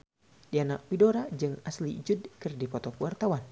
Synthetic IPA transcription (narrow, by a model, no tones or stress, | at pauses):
dianaʔ̚pidɔɾad͡ʒɨŋaslid͡ʒudkɨrdipɔt̪ɔkəwart̪awan